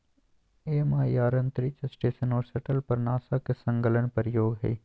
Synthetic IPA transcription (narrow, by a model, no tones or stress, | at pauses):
eːmaːjaːɾə̃nt̪ɾit͡ʃsʈeːʃənɔːɾsəʈəlpɐɾnaːsakesɐ̃ŋɡələnpɐɾjoːɡɦɛ̰ː